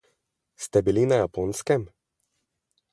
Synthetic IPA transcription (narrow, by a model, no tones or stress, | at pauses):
st̪ɛbilʲinajaponskɛm